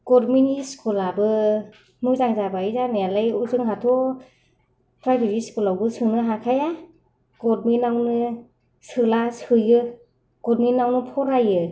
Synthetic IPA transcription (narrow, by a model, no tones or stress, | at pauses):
kɔtminiskɔlabɯ | mɯzaŋzabaizanealɯjuzɯŋɦatʰɔ | pɾajbiɾiskɔlawbɯsɯnɯɦakʰaja | kɔt̚minawnɯ | sɯlasɯjɯ | kɔt̚minawnɯpʰɔɾajɯ